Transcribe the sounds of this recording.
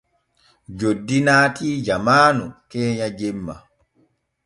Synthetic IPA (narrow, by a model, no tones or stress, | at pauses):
d͡ʒodːinaːtiːd͡ʒamaːnukɛːɲad͡ʒɛmːa̰